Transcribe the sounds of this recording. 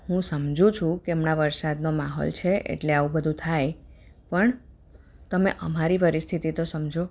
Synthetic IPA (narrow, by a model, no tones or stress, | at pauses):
hũsəmd͡ʒʱũt͡ʃʰũkeemnaʋəɾsad̪nomaɦo̰lt͡ʃʰeʔḛʈleaʋũbəd̪ʱũt̪ʰaj | pəɳ | t̪əmeʔəmaɾipəɾist̪ʰit̪it̪osəmd͡ʒʱo